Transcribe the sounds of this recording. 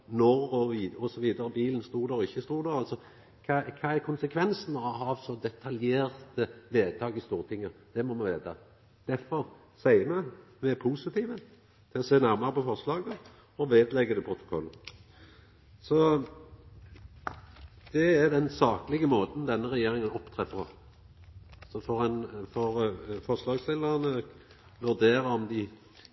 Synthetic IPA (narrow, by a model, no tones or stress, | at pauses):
nɔʁɔʋiːɔsɔʋiːd̪əɾəbiːln̩st̪uːɾd̪æɾɔɪçːəst̪uːɾd̪æɾɑlsɔ | kʰɑkʰɑːæɾkʰʊnsəkʰʋɛnsənɔɦɑːʋsɔd̪ɛt̪ʰɑljeːɾt̪əʋeːd̪̚t̪ʰɑːɡɪst̪uːɾət̪ʰɪŋːəd̪̥ɛmɔmɛʋeːt̪ʰɑ | d̪̥æɾfɔɾ | sæɪəmɛmɛpʰusɪt̪ʰiːʋə | t̪ʰɪlɔseːnæɾmɑɾəpʰɔfɔʁslɑːɡə | ɔʋeːd̪lɛɡːəd̪ɛpʰɾʊt̪ʊ̥kʰɔlː | sɔ | d̪̥ɛæɾd̪ɛnsɑːklɪɡəmoːt̪n̩d̪ɛnːəɾɛjeːɾɪŋənɔpt̪ʰɾeːpʰɔ | sɔfɔʁɛnfɔɾfɔʁslɑːɡsɪlːənə | ʋʉɾd̪eːɾəɔmd̪ɪ